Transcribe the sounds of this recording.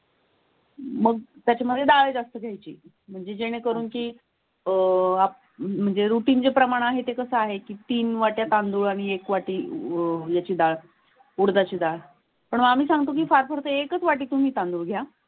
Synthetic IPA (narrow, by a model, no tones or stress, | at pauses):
məɡ̚t̪jat͡ɕjaməd̪ʱjed̪aɭed͡zast̪əɡʱjajt͡ɕḭː | m̤əɳd͡zed͡ʑeɽ̃ekəɾuːnkiː | ap̚ | m̤əɳd͡zeɾuʈiːnd͡zepɾəmaɽ̃aɦet̪ekəsəaɦekiːt̪iːnʋaʈjat̪and̪uːɭaɽ̃iekʋaʈiːjat͡ɕiːd̪aɭ | uɾd̪at͡ɕiːd̪aɭ | pəɳməɡam̤iːsãŋɡt̪okiːfaɾpəɾt̪əekət͡sʋaʈiːt̪um̤iːt̪ãnd̪uːɭɡʱja